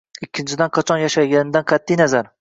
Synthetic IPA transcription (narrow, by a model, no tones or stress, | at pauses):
ɪkʲːɪnt͡ʃʰɪd̪anqʰɑt͡ʃʰɒnjaʃajɡʲanɪd̪anqʰɑt̪ʰːijnazaɾ